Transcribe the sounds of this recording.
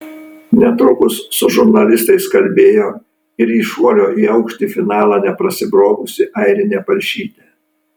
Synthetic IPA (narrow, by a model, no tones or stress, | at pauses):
nʲɛt̪ɾʊkʊsːʊʒʊɾnɐlʲɪst̪ɐɪskɐlʲbʲeːjoː | ɪɾiːʃuɔlʲoːiːɐʊkʃʲt̪ʲiːfʲɪnɑːlˠɑnʲɛpɾɐsʲɪbɾoːɡʊsʲɪʔɐɪɾʲɪnʲeːpɐlʲʃʲiːt̪ʲeː